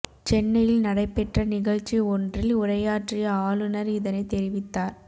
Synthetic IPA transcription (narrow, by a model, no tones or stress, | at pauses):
t͡ʃɛnːɐjɪlnɐɽɐɪpːɛʈrɐnɪɣɐɻt͡ʃːiɔndrɪlʊɾɐjaːʈrɪjɐaːlɯnɐɾiːðɐnɐɪt̪ɛɾɪʋɪt̪ːaːɾ